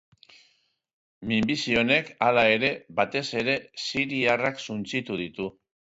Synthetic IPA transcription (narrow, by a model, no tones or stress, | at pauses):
mimbisio̞ne̞kalae̞ɾe̞βat̪e̞se̞ɾe̞siɾiaraksunt͡sit̪uð̞it̪u